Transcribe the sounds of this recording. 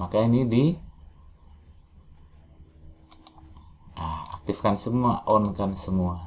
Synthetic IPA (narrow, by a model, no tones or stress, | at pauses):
makainidi | aa̰k̚t̪ifkansəmuaʔɔnkansəmua